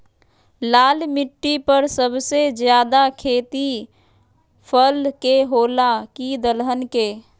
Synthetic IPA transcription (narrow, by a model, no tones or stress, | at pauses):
laːlmiʈːipəɾsəbʱsed͡ʒjad̪akʰeːt̪i | pʰəlkeɦolakid̪əlɦənke